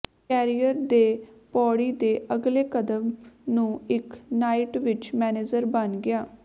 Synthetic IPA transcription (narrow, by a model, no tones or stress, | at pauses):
kɛːɾijəɾd̪eːpɔːɽiːd̪eːʔəɡleːkəd̪əmnũːɪknaːɪʈʋɪt͡ʃmɛːneːd͡ʒəɾbənɡɪaː